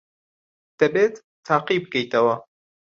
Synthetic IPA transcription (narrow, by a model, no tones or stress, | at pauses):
d̪̥ɐbeːt̪ːʰaːqib̚kejt̪ɐwɐ